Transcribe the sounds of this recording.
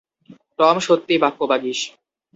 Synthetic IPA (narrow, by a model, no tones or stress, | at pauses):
t̪ɔmʃot̪ːibakːobaɡiʃ